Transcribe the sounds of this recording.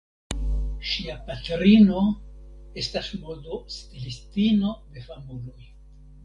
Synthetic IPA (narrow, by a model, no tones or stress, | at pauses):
ʃiapatɾino̞ | e̞stasmo̞dostilistino̞d̪e̞famulo̞j